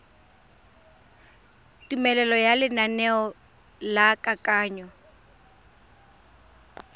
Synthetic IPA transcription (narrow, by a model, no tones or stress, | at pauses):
tʼumɛlɛlɔjalɪnanɛɔ | lakʼakʼaːɲɔ